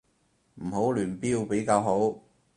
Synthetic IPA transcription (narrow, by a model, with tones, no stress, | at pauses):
m̩˨˩ho˨˥wlyː˨˩npiː˧˥wpe˨˥jkaː˧wɦo˨˥w